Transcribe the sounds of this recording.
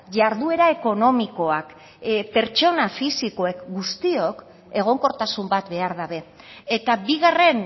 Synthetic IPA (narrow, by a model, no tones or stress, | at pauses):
ʝaɾðue̞ɾae̞ko̞no̞miko̞ak | pe̞ɾt͡ʃo̞nafisiko̞e̞kɡust̪io̞k | e̞ɣ̞o̞ŋko̞ɾt̪asumbat̪be̞aɾðaβe̞ː | t̪abiɣare̞n